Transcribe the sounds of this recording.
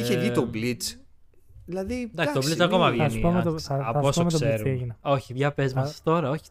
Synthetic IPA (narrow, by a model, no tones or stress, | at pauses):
içeʝit̪oblit͡s | ðilɐðid̪ɐksit̪olit͡sɐko̞mɐvsiomeɐposomkt̪seɾno̞çipçɐpezmɐsst̪o̞ɾɐo̞çi̥